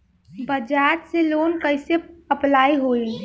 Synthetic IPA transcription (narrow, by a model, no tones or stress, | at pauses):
bəd͡ʒaɾselonkəɪseəplaiɦoil